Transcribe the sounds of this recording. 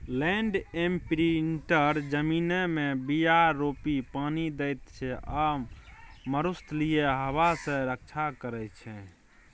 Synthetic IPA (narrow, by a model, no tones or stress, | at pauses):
lɛ̃ɳɖempɾinʈəɾd͡ʒəminemebijaɾːopipanid̪ɛjt̪t͡ʃʰɛʔəmː | əɾust̪lijeɦəβasẽɾək̚t͡ʃʰakəɾɛt͡ʃʰɛ̃